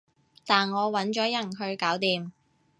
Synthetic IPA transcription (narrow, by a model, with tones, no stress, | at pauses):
t̪aː˨nŋɔː˨˧wɐ˨˥nt͡ʃɔː˨˥jɐ˨˩nɦɵ˧ɥkaː˨˥wt̪iː˨m